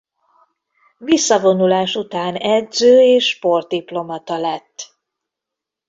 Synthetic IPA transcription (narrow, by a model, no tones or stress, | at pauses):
visːɒvo̞nulaːʃut̪aːnɛd̪zøːeːʃːpo̞rt̪̚d̪iplo̞mɒt̪ɒlɛt̪ː